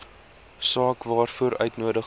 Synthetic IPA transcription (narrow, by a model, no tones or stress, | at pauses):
sɑːkvɑːrfuəɾœ̰ɥtnuədə